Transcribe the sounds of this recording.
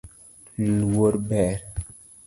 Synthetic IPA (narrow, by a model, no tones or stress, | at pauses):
llwoɾbɛɾ